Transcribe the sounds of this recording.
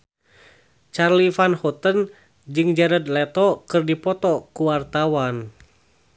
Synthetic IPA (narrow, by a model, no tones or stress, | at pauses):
t͡ʃarlifanhɔt̪ən | d͡ʒɨŋd͡ʒaɾəd̪lɛt̪ɔkɨrdipɔt̪ɔkuwart̪awan